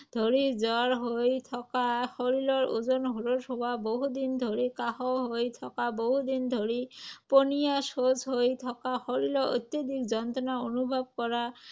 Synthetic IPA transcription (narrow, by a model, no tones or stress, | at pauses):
d̪ʱoɾid͡ʑɔaɾɦojt̪ʰɔkaxoɾilɔɾud͡ʑonɦuɾoɾɦowaboɦud̪ind̪ʱoɾikaɦɔɦojt̪ʰɔkaboɦud̪ind̪ʱoɾiponijaʃod͡ʑɦojt̪ʰɔkaxoɾilɔo̰t̪jod̪ikd͡ʑɔnt̪ɔnaonubʱab̚kɔɾa